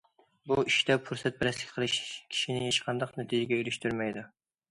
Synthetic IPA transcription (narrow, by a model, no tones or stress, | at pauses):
buiʃt̪ɛpʰuɾsɛt̪̚bɪɾɛslɪ̥kʲqʰəlˠɨʃkʲʰi̥ʃinɪjeʃqʰɑnd̪ɑqnɛt̪ʰid͡ʒɪɡʲɛylyʃt̪yɾmɛjd̪u